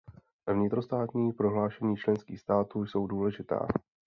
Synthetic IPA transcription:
vɲɪt̪ɾo̞st̪aːt̪ɲiːpɾo̞ɦlaːʃɛɲiːt͡ʃlɛnskiːxst̪aːt̪uːjso̞wduːlɛʒɪt̪a̰ː

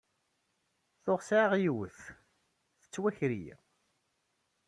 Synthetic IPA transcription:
θʊʁsʕaʁjwəθ | θə̥t͡sːwæçɾḭj

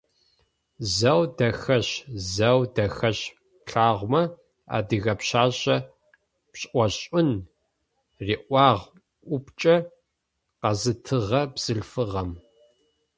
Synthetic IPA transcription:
zɐwdɐxɐɕzɐwdɐxɐɕ | ɬaːʁʷmɐ | a̰ːdɨɣɐpɕaːɕʼɐ | pɕʼʔʷɔɕʼʊn | riːʔʷɑːʁ | ʔʷʊpt͡ʃʼɐ | qɐzɨtʰɨʁɐbz̥ɨɬfɨʁɐm

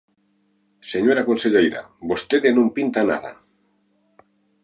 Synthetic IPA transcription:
seɲoɾakonseʎejɾa̰bost̪eðenõmpint̪ana̰ða̰

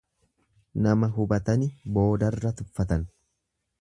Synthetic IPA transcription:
nɐmɐɦʊbɐt̪ɐnɪbo̞ːd̪ɐrːɐt̪ʊfːɐt̪ɐn

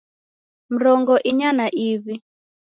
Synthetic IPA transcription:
m̩ɾɔŋɡɔʔiɲanaʔiβi

